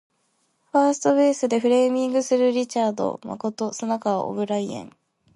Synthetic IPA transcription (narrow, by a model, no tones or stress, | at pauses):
ɸaːsɨ̥t̪o̞be̞ːsɨd̪e̞ɸɯ̟ɾe̞ːmʲĩŋɡɯ̟sɨɾɯ̟ɾʲit͡ɕaːd̪o̞̰ma̰ko̞t̪o̞sɨnakaβa̰ʔo̰bɯ̟ɾaiḛ̃ŋ